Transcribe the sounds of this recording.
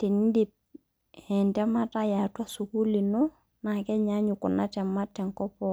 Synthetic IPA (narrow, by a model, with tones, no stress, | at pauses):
ti˨n˦dip̚ | hɛ˨ntɛ˦ma˦ta˦ja˨ta˦su˨ku˦li˨nu | na˨kɛ˦ɲa˦ɲu˨kṵ˨natɛ˨mːa˦tːɛ˨ŋkɔ˦pɔ